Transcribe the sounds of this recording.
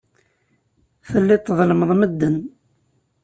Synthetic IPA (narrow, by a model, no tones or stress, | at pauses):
θəlːɪt̪ˤːəðˤləməðˤməd̪ːən